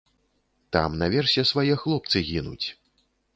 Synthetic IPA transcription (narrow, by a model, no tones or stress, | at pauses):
t̪a̰mnɐvʲɛrsʲɛsvajɛxlˠɔp̚t̪sɨɣʲinṵt͡sʲ